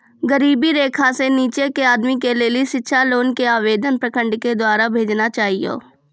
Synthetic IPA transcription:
ɡəɾiːbiɾeːkʰaseniːt͡ʃekeaːd̪mikelelieʃɪtːʃʰaloːnkeaːʋeːd̪ənpɾəkə̃ɳɖked̪waːɾabʱeːd͡ʒnat͡ʃaːɦijo̰ː

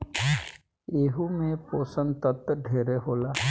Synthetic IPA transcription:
eːɦumẽpoːsə̃nt̪ət̪ɖʱeːɾeɦoːlaː

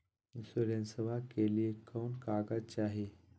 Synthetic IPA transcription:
insolensəʋakeliekʰːəwnkaɡat͡ɕaɦe

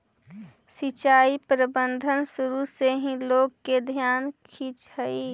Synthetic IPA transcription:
sit͡ʃaːipɾəbə̃nd̪ʱənsʊɾuseɦĩloːɡked̪ʱjaːnkʰiːt͡ʃhəi

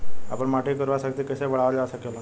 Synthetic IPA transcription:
a̰pəɳmaʈʰekəɾʋasakt̪iːkəseʋəɭ̤aʋlaəsakela

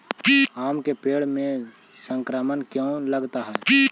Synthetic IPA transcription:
aːmkepeːɽmẽ | sə̃ŋkɾaːmənkjõləɡt̪aɦɛː

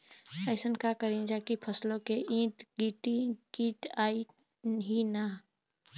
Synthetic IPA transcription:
ɛːsənkakəɾĩd͡ʒaːkipʰəslõkeʔĩːt̪ɡiːʈikiːʈaːi | ɦina

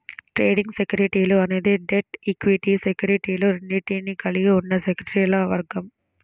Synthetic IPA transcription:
ʈɾeːɖiŋɡsekjuɾiʈiːloɐne̞ːd̪iɖeʈikʋiʈisekjuːɾiʈiːloːɾeɳɖiʈiːnikɐliɡiunːɐsekɾeɐɾiːlɐʋɐɾɡɐm

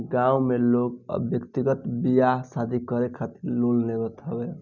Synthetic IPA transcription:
ɡãumelokbjəkt̪iɡət̪bijasad̪ʱikəɾekʰat̪iɾlolneɾət̪ɦəbɛ

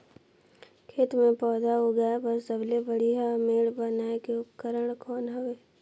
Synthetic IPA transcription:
kʰeːt̪mẽpɔːd̪aɦoɡəjabəɾsəblebəɽiɦameːɽbənaːekeʊpkəɾəɽ̃kʰɔːnɦoʋeː

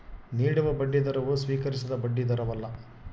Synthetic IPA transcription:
niːɽuʋɐbɐɖːid̪ɐɾɐʋusʋiːkɐɾis̬ɐd̪ɐbɐɖːid̪ɐɾɐʋɐlːɐ

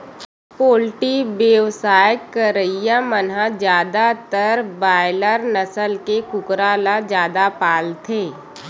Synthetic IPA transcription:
poːlʈibjeʋsaːjəkːəɾəijamənɦãd͡ʒjaːd̪at̪əɾbaːɪləɾnəsəlkekʊkɾaːlad͡ʒjaːd̪apaːlt̪ʰeː

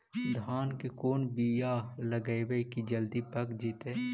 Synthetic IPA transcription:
d̪ʱaːnkekoːnbijaləɡəjwekid͡ʒəld̪ipəkd͡ʒiːt̪eː

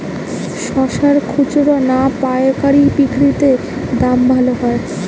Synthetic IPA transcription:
ʃɔʃaɾkʰut͡ɕoɾonapaeokaɾipikʰɾit̪e | d̪ambʱaloɦɔe

